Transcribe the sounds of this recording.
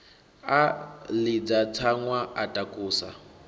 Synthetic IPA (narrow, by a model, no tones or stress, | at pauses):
alid͡zat͡sʰaŋwaʔatʼakʼuːsa̰